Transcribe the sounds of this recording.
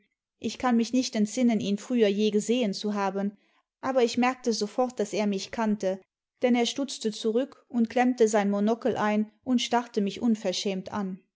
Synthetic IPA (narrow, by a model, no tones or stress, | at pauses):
ʔɪçkʰanmɪçnɪçtɛntz̥ɪnəniːnfʁ̥yːɐjeːɡəzeːənt͡suɦaːbən | ʔaːbɐɪçmɛɐk̚təzofɔʁt̚d̥aseːɐmɪçkʰantə | d̥ɛneːɐʃtʊt͡stət͡suʁʏkʊntklɛmtəzaɪnmonɔkəlʔaɪnʔʊntʃtaʁtəmɪçʔʊnfɛɐʃɛːmtʔa̰n